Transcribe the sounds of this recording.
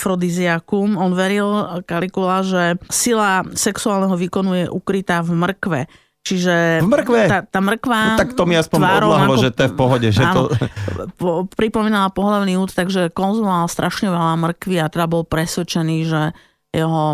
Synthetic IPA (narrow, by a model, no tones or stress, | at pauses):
fɾɔd̪iziakumɔnʋɛɾilkalikulaʒɛsilasɛksuaːlnɛɦɔʋikɔnujɛʔukɾit̪aːvmr̩kʋɛ | t͡ʃiʒɛmrkʋɛat̪aːmr̩kʋaakt̪ɔmiaspɔɲaɔdɾɔlaɦlɔʒɛt̪ɔjɛfpɔɦɔɟɛʒɛaɔɔpɔpɾipɔmiːnalapɔɦlaʊniːut̪t̪aɡʒɛkɔnzumɔaːlst̪ɾʔaʃɲɛʋɛlamr̩kʋiat̪ɛd̪abɔlpɾɛsʋɛt͡ʃɛniːʒɛ | jɛɦɔ